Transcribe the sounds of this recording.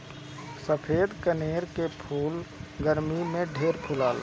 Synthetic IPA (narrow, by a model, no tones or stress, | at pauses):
səpʰeːd̪kəneːɾkepʰuːlɡəɾmimẽɖʱeːɾpʰʊlaːl